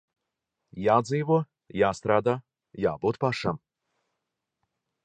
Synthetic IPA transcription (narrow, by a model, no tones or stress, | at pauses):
jaːd̪ziːvuɔ | jaːst̪ɾaːd̪aː | jaːbuːt̪paʃam